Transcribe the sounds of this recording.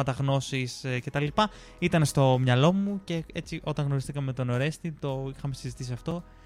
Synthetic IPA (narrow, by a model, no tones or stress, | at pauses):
ɐt̪ɐɣno̞sisce̞t̪ɐlilipɐ | it̪ɐnst̪o̞mɲɐlo̞muce̞e̞t͡siʔo̞t̪ɐ̃ŋɣno̞ɾist̪ikɐmemet̪o̞no̞ɾe̞st̪it̪o̞ixɐme̞sizit̪isiɐft̪o̞